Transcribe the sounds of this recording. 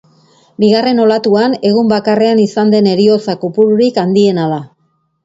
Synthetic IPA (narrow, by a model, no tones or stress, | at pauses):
biɣ̞are̞no̞lat̪uane̞ɣ̞umbakare̞anisand̪e̞ne̞ɾio̞t͡sakupuɾuɾikand̪ie̞nala